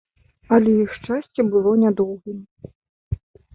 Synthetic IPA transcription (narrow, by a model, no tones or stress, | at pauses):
ɐlʲɛjixʂt͡ʂasʲt͡sʲɛbɨlˠɔnʲad̪ɔwɣɨm